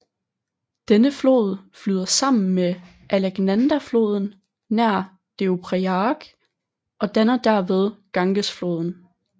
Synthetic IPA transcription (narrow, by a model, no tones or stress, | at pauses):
d̥enəflo̝̰ːð̞ˠflyːð̞ˠɐsɑ̈m̰n̩me | ʔæleɡ̥nænd̥æflo̝ːð̞ˠn̩ | næɐ̰ | d̥e̝opʰʁeɑɡ̥ | ʔɒ̽d̥ænɐd̥æɐʋe̝ð̞ˠɡ̥ɑ̈ŋɡ̥əsflo̝̰ːð̞ˠn̩